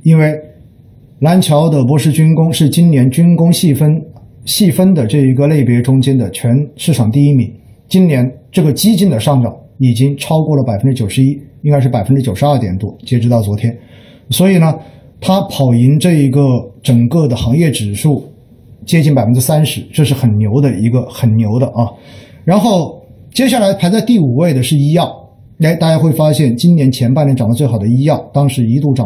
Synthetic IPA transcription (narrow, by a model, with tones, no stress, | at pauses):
i˥nwe˥˩ɪ | la˧˥nt͡ɕʰjɑ˧˥ʊd̪ə˨pwɔ˧˥ʂɻ̩˥˩t͡ɕy˥nkʊ˥ŋʂɻ̩˥˩t͡ɕi˥nnjɛ˧˥nt͡ɕy˥nkʊ˥ŋɕə˥nɕi˥˩fə˥nd̪ə˨ʈ͡ʂɤ˥˩i˧˥ɡə˧le˥˩ɪpjɛ˧˥ʈ͡ʂʊ˥ŋt͡ɕjɛ˥nd̪ə˨t͡ɕʰɥɛ˧˥nʂɻ̩˥˩ʈ͡ʂʰɑ˨˩ŋt̪i˥˩i˥mi˧˥ŋ | t͡ɕi˥nnjɛ˧˥nʈ͡ʂɤ˥˩ɡə˩t͡ɕi˥t͡ɕi˥˩nd̪ə˨ʂɑ˥˩ŋʈ͡ʂɑ˨˩˦ŋ | i˨˩t͡ɕi˥ŋʈ͡ʂʰɑ˥ʊkwɔ˥˩lə˩pa˨˩ɪfə˥nʈ͡ʂɻ̩˥t͡ɕjo˨˩ʊʂɻ̩˧˥i˥i˥ŋka˥ɪʂɻ̩˥˩pa˨˩ɪfə˥nʈ͡ʂɻ̩˥t͡ɕjo˨˩ʊʂɻ̩˧˦ɐ˞˥˩t̪jɛ̰˨˩nt̪wɔ˥t͡ɕjɛ˥ʈ͡ʂɻ̩˧˥t̪ɑ˥˩ʊwɔ˧˥t̪ʰjɛ˥n | swɔ˧˥i˨˩nə˦ | t̪ʰa˥pʰɑ˨˩ʊi˧˥nʈ͡ʂɤ˥˩i˧˥ɡə˧ʈ͡ʂə˨˩ŋkɤ˥˩d̪ə˩xɑ˧˥ŋjɛ˥˩ʈ͡ʂɻ̩˨˩ʂu˥˩ | t͡ɕjɛ˥t͡ɕi˥˩npa˨ɪə˥nʈ͡ʂɻ̩˥sa˥nʂɻ̩˧˥ʈ͡ʂɤ˥˧ʂɻ̩˥˩xə˨˩nnjo˧˥ʊd̪ə˧i˧˥ɡə˧xə˨˩nnjo˧˥ʊd̪ə˧ʔɐ˧ | ɻa˧˥nxo˥˩ʊ | t͡ɕjɛ˥ɕ̬ja˥˩la˧˥ɪpʰa˧˥ɪt͡sa˥˧ɪt̪i˥˩u˨˩we˥˩ɪd̪ə˩ʂɻ̩˥˩˧i˥jɑ˥˩ʊ | e˥ɪt̪a˥˩t͡ɕja˥˧xwe˥˩ɪfa˥ɕjɛ˥˩nt͡ɕi˥nnjɛ˧˥nt͡ɕʰjɛ˧˥npa˥˩nɛ˧˥˩ʈ͡ʂɑ˨˩lə˦t͡swxʊd̪ə˦i˥jɑ˥˩ʊt̪ɑ˥ŋʂɻ̩˧˥i˧˥t̪u˥˩ʈ͡ʂɑ˨